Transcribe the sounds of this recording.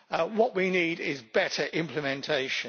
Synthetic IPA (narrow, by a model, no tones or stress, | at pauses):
wɒʔwiniːdɪzbɛtʰəɹʔɪ̃mpʰləmɛ̃ntʰeɪʃə̃